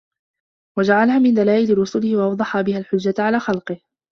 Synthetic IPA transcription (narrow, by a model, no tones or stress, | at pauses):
wad͡ʒaʕalahaːmɪnd̪alaːʔɪlɪɾʊsʊlɪhɪwaʔɑwd̪ˤɑħaːbɪhalħʊd͡ʒːat̪ʕalaːxɑlqɨh